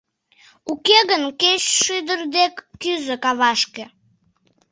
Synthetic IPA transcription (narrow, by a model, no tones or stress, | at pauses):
ukeɣənkeɕʃɨd̪ərd̪ekːyzəkɑβɑʃke